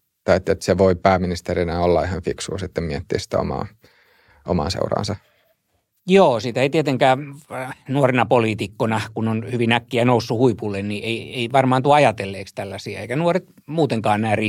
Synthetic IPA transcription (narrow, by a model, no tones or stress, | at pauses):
t̪ɑiet̪ːiot̪seʋoipæːminist̪erinæolːɑihɑnfiksṵːsit̪ːemmiet̪ːḭːsi̥t̪æ̰o̰mɑ̰ː | ʔo̰mɑ̰ːnsḛurɑ̰ːnsɑ | joːsit̪æeit̪iet̪eŋkæː | nuorenɑpoliːt̪ikːonɑkunonhyʋinækːiænousːuhuipulːennieieiʋɑrmɑːnt̪uɑɑjɑt̪elːeːkst̪ælːæsiæeikænuoret̪ | muːt̪eŋkɑːnnæːri